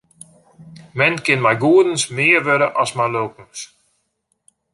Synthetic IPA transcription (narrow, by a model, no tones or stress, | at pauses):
mɛnkɪnmajɡuədən̩smɪːərʋøɾəʔɔsmajløːkn̩s